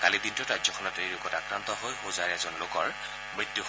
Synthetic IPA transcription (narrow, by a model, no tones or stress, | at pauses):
kalid̪intʊɹazjɔkʰɔnɔtejɹʊɡɔtakɹant̪ɔɦojɦozaɹɛzɔnlʊkɔɹ | mɹit̪ːju